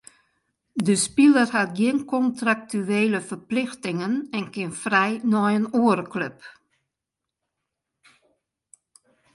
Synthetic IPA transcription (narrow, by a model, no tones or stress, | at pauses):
dəspilərhat̚ɡjɪnkɔntrak̚tyeːləfərplɪxtɪŋənɛnkɪnfrɛjnɔjənoəɾəkløp